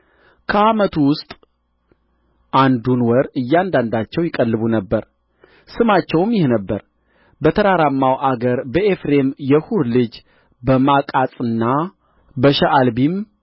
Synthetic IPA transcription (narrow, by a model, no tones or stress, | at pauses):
kʰəamət̪ʰuwʊst̪ʼ | ʔand̪unwɔɾɨjːand̪and̪at͡ʃːɛwjɪkʼəlːɨβunəbːəɾ | sɨmat͡ʃːɛwmjɪhnəbːəɾ | bət̪ʰəɾaɾamːawʔaɡəɾbəefɾe̞mjɛhuɾlɨd͡ʒ | bəmakʼasʼɨnːa | bəʃɛʔalbim